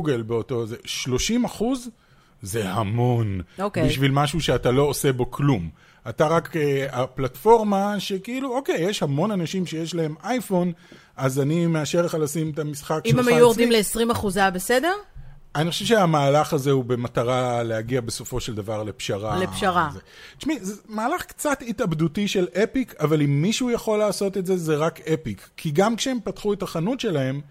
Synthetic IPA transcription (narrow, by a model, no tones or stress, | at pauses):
uɡelbeo̞to̞zeʃlo̞ʃimaχuz | ze̞hamo̞nokebiʃvilmaʃuʃe̞atalo̞ose̞bo̞klum | ataʁakeaplatfo̞ʁmaʃekeiluo̞ke̞jːeʃhamo̞nanaʃimʃejeʃlahe̞mʔajfo̞n | azanimeaʃeʁleχalasimetamisχakimemajuoʁdimleesʁimaχuzabesede̞ʁanixoʃevʃeamaːlaχazeube̞mataʁale̞haɡiabe̞so̞fo̞ʃe̞ld̪avaʁlepʃaʁalepʃaʁaze | ʃmizemaːlaχkt͡satitabdutiʃe̞lʔe̞pikʰavalimːiʃuuːjaχo̞lːaːso̞t̪etze̞zeʁakepikʰːiɡamkʃee̞mpatχue̞taχanutʃe̞laɦe̞m